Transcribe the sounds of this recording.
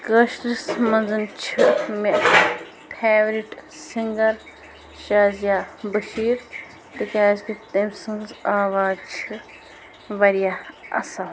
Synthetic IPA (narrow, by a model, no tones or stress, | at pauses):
kɐʃʈɾismɐnzɨnt͡ʃʰɨme | pʰeːʋɾiʈsiŋɡɐɾ | ʃaːzjaːbɐʃiːɾ | t̪ɨkaːzkit̪emsɨnzaːʋaːzt͡ʃʰɨ | ʋɐɾijaɐ̰sa